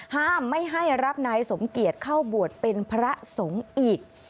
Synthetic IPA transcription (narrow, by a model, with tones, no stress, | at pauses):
haː˥˩mːa˥˩jɦa˥˩jɾa˦˥p̚naː˧jso˩˦mki˨˩ət̪̚kʰa˥˩wbu˨˩ət̪̚pe˧npʰɾa˦˥so˩˦ŋʔiː˨˩k̚